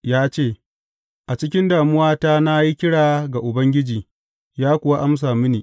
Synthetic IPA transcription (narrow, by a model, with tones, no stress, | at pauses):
jaː˦t͡ʃeː˦˨ | ʔa˨t͡ʃɪ˦kʲɪ˦ndaː˨mʊ˦waː˦ta˦na˦ji˦kʲɪ˦ɽaː˨ɡa˨ʔʊ˨bɐ˦ŋɡʲɪ˦d͡ʒiː˨ | jaː˦kʷʊ˨wa˦ʔa˦ms̬aː˨mɪ˦niː˨